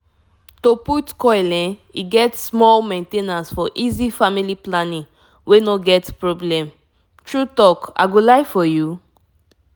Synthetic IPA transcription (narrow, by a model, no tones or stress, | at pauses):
toputkɔjlɛ̃niɡɛtsmɔlmẽntenãnsfɔʔizifamiliplanĩŋ | wenoɡɛtpɹoblɛ̃m | tɹutɔka̰ɡolaɪfɔju